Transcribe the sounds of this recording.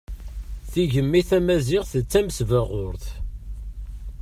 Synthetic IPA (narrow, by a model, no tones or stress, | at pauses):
θiʝəmːiθæmæzɪʁθət͡sːæmsvæʁʊɾθ